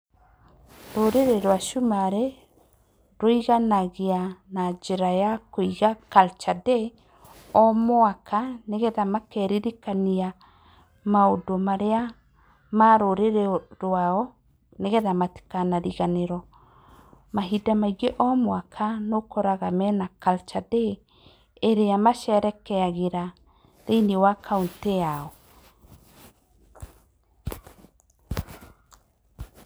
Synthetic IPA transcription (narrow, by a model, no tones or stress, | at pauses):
ɾoɾeɾɛɾwaʃumaɾe | ɾoiɣanaɣeanad͡ʒeɾajakoiɣakalt͡ʃadɛ | ɔmoakʰaneɣɛðamakɛɾiɾikania | maodomaɾea | maɾoɾeɾeɾwaɔ | neɣɛðamate̥kanaɾiɣaneɾɔ | maɦidamaiɣeʔɔmwakʰanokɔɾaɣamɛnakalt͡ʃadeː | ɾeamaʃɛɾɛkɛaɣeɾa | ɾeinewakʰaunteaɔ